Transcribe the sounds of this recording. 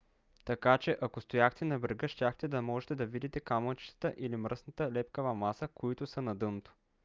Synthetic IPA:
t̪ɐkat͡ʃɛʔɐkost̪ojaxt̪ɛnɐbɾɡəʃtʲaxt̪ɛd̪ɐmɔʒɛt̪ɛd̪ɐvid̪it̪ɛkamət͡ʃi̥t̪ə̥t̪əʔilimɾəsnət̪əlɛpkəvɐmasəkoit̪ʊsənɐd̪ɤnot̪o̥

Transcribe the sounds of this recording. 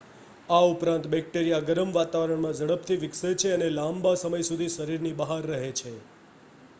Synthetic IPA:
aupɾãnt̪bɛk̚ʈeɾijaɡəɾəmʋat̪aʋəɾəɳmãd͡ʒəɭəp̚t̪ʰiʋɪkset͡ʃʰeənelãmbasəməjsud̪ʱiʃəɾiɾnibəɦaɾːəɦet͡ʃʰe

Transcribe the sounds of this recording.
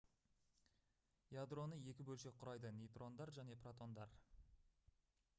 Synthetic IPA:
jad̪ro̞nəje̞kʲɪbɵlʃe̞qʰʊɾɑjd̪ənejt̪ro̞nd̪ɑɾʒæne̞prot̪o̞nd̪ɑ̰ɾ

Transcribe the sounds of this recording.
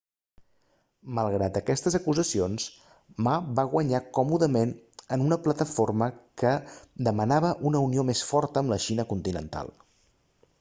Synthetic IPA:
məlˠɣ̞ɾat̪̚əkɛst̪əzəkuzəsions | mabaɣ̞wəɲakɔmuðəmenənunəplət̪əforməkəd̪əmənaβ̞əʔunəuniomesfɔɾt̪əːmləʃinəkunt̪inə̰nt̪a̰lˠ

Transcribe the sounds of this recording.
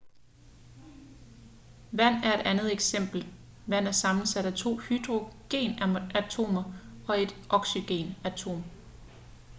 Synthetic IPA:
ʋæn̰æɐe̝d̥ænð̩ˠeɡ̥sem̰b̥l̩ | ʋæn̰æɐsɑ̈mn̩sæɾ̥æt͡sʰo̝̰ːhyd̥ʁo̝ɡ̥e̝̰ːnæt͡sʰo̝̰ːmɐɒ̽e̝d̥ʔɒ̽ɡ̥syɡ̥e̝̰ːnæt͡sʰo̝̰ːm

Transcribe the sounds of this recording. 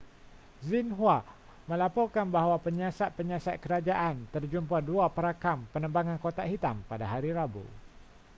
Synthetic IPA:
zinɦwa | məlapɔrkanbaɦwapəɲasat̪̚pəɲasat̪̚kəɾad͡ʒaʔant̪ərd͡ʒumpaduapəɾakampənəmbaŋankot̪aɦit̪ampadaɦaɾiɾabo̰

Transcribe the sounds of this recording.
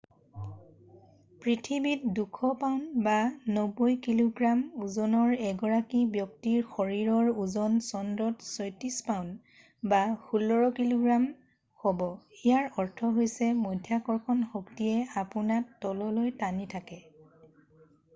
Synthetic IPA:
pɹitʰibit̚dukʰɔpaʊnbanɔbojkiloɡɹamuzɔnɔɹɛɡɔɹakibjɔk̚tiɹxɔɹiɹɔɹuzɔnsɔndɔtsɔjtispaʊ̃n | baxulːɔɹɔkiloɡɹam | xɔbɔijaɹɔɹtʰɔɦojsɛmojdʱjakɔɹkʰɔnxoktiɛapunatːɔlɔlojtanitʰakɛ

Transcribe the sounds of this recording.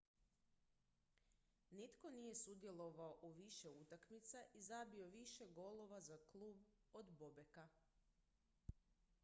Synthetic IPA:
nit̪ko̞nije̞sud̪je̞lˠo̞ʋaoʔuʋiʃe̞ut̪akmit̪saʔizabio̞ʋiʃe̞ɡo̞lo̞ʋazaklˠuːbod̪bobe̞ka

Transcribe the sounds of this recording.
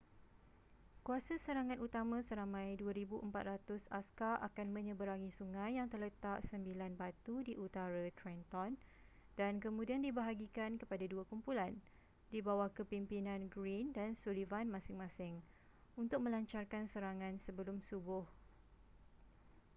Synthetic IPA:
kuasasəɾaŋãnut̪amãsəɾamãjduaɾibuʔəmpat̪̚rat̪ʊsaskaʔakanmə̃ɲə̃bəɾaŋisuŋãjːaŋt̪ərlət̪aʔsəmbilanbat̪udiʔut̪aɾat̪ɾɛnt̪ɔn | dankəmũdiandibaɦaɡikankəpadaduakumpulan | dibawahkəpimpinãnɡɾindansulivanmãsɪŋmãsɪŋ | unt̪ʊk̚mə̃laɲt͡ʃarkansəɾaŋãnsəbəlʊmsubʊh

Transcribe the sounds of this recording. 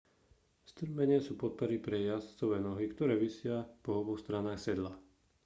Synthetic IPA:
st̪r̩mɛɲɪasuːpɔt̪̚pɔɾipɾɛjast͡sɔʋɛːnɔɦikt̪ɔɾɛːʋisɪapɔɔbɔxst̪ɾanaːxsɛd̪la

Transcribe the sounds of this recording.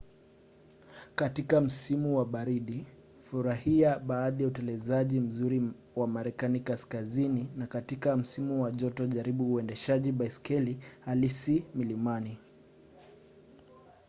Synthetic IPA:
katikam̩simuwaɓaɾiɗi | fuɾahiaɓaːɗijautɛlɛzaʄim̩zuɾi | wamaɾɛkanikaskazininakatikam̩simuwaʄɔtɔʄaɾiɓuːɛndɛʃaʄiɓaiskɛlihalisimilimani

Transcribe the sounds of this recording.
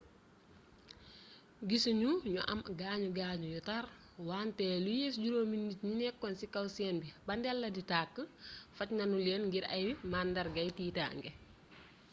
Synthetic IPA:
ɡisuɲuɲuʔɐ̰mɡaːɲuɡaːɲujɔtaɾ | waːntɛːlujeːsɟuɾoːminːit̚ɲinɛkːɔnsikɐwsɛːnbibɐndɛlːɐditaːkːəfɐcnɐnulɛːnŋɡiɾɐjbimaːndɐɾɡɐjtiːta̰ːŋɡɛ

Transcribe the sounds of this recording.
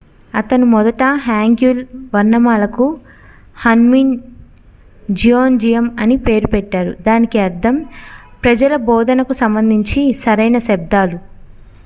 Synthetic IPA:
ɐt̪ɐnimɔd̪ɐʈɐɦaːŋɡjulʋɐɾnɐmaːlɐku | hɐnmin | d͡ʒijoːnd͡ʒijɐmɐnipe̞ːɾupɛʈːaːɾud̪aːnikiɐɾd̪ʰʱɐm | pɾɐd͡ʒɐlɐbɔːd̪ɐnɐkusɐmbɐnd̪ʱiɲt͡ʃisɐɾɐjnɐsɛb̚d̪aːlu

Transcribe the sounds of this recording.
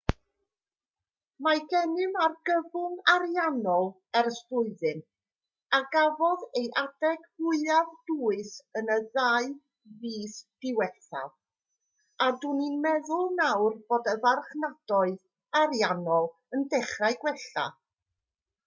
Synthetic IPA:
maɡɛnɪmarɡəvʊŋaɾjanɔlˠ | ɛrstʊɨðɨn | aɡavɔðejʔadɛɡ̥hʊɨavduːɨsənəðaɨ | viːsd̥ɪwɛθa̰v | aduninmɛðʊlˠnawrboːdəvarχnad̥ɔɨð | aɾjanɔlˠ | əndɛχrajɡwɛɬa̰

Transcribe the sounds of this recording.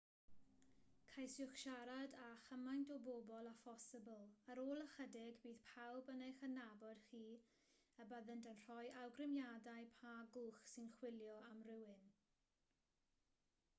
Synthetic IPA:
kʰajsjʊχʃaɾadaχəmajntɔboːbɔlˠafɔsɪbəlˠəɾoːlˠəχədɪɡbiːð̥pʰawbənejχənabɔd̥χiː | əbəðəndənr̥ɔjʔawɡrɪmjadajpʰaɡuːχsɪnχwɪlˠjɔamrɪwɪn

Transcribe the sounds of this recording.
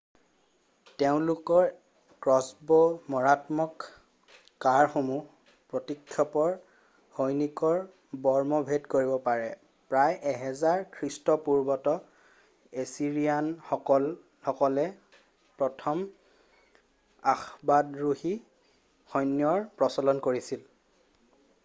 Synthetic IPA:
teʊ̃lʊkɔɹ | kɹɔsbɔmɔɹatmɔkː | aɹxomu | pɹotikʰːjɔpɔɹ | hojnikɔɹ | bɔɹmɔbʱedkoɹibɔpaɹɛ | pɹajʔɛɦɛzaɹkʰɹistɔpuɹbɔtɔ | esiɹijanɔkɔl | hɔkɔlɛ | pɹɔtʰɔm | axbadɹuhi | xɔjnjɔɹpɹɔsɔlɔnkoɹisil

